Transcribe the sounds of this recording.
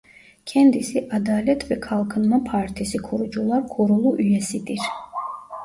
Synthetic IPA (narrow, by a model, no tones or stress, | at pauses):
kʰɛnd̪isiʔad̪alɛt̪ʰvɛkʰalˠkʰənmapʰaɾt̪ʰisikʰɔɾud͡ʒulˠaɾkʰɔɾulˠuʔyjɛsid̪iɾ